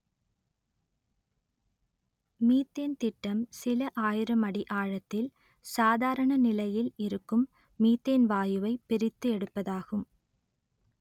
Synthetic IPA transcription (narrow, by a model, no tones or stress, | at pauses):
miːt̪ːeːnt̪ɪʈːɐmsɪlɐʔaːjɪɾɐmɐɽiʔaːɻɐt̪ːɪl | saːðaːɾɐɳɐnɪlɐjɪlɪɾɯkːɯmː | iːt̪ːeːnʋaːjɯʋɐɪpːɪɾɪt̪ːɯɛɽɯpːɐðaːɣɯm